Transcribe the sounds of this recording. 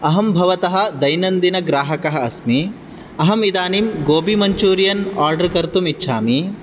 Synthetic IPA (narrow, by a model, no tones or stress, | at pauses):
ɐɦɐmbʱɐʋɐt̪ɐɦɐ̆d̪ɐjnɐnd̪inɐɡɾaːɦɐkɐɦɐ̆ɐsmi | ɐɦɐmid̪aːnimɡoːbimɐɲt͡ʃuːɾijɐnaːɾɖɐɾkɐɾt̪umitːʃʰaːmi